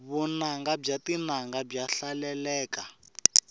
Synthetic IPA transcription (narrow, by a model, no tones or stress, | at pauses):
βunaŋɡabb͡ʐatinaŋɡab͡ʐaɬalɛlɛːka